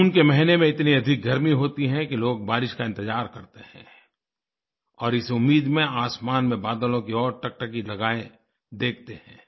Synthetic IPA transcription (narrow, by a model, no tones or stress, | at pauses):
ʊnkemɐɦɪnemẽɪt̪niɐd̪ʱɪk̚ɡʱɐɾmiɦoːt̪iɦɛ̃kiloːɡ̚baːɾɪʃkaɪ̃nt̪ɪd͡ʒaːɾkɐɾt̪ehɛ̰̃ː | ɔːɾɪsʊmːiːd̪mẽaːsmaːnmẽbaːd̪əlõkiɔːɾʈɐk̚ʈəkilɐɡaːẽ | d̪eːk̚ʰt̪ehɛ̰̃ː